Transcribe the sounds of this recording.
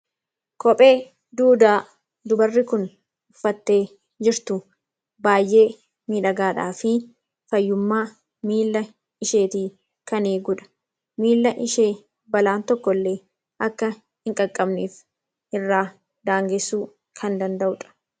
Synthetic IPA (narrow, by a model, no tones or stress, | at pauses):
kɔpʼe̞ː | d̪uːd̪aː | d̪ʊbɐrːɪkʊn | ʊfːɐt̪ːe̞ː | d͡ʒɪɾt̪ʊ | baːjʔe̞ː | miːᶑɐɡaːᶑaːfɪ | fɐjːʊmːaː | miːlːɐ | ɪʃe̞ːt̪iː | kɐneːɡʊᶑɐ̥ | miːlːɐʔɪʃeː | bɐlaːnt̪ɔkːɔlːe̞ː | ʔɐkːɐ | hɪŋkʼɐkʼːɐbniːf | ɪrːaː | d̪aːŋɡɛsːuː | kʰɐnd̪ɐnd̪ɐʔʊᶑɐ̥